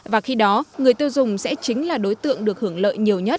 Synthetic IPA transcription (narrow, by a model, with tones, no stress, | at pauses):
vaː˨˩xi˧ɗɔ˨˦ŋɨ˨˩əjt̪i˧wzʊ˨˩ŋ͡msɛ̰˧˥t͡ɕï˨˦ŋ̟laː˨˩ɗo˨˦jt̪ɨ̰˧˨əŋɗɨ˨˩ək̚hɨ˧˩əŋlə̰ː˧˨jɲi˨˩əwɲə˦˥t̚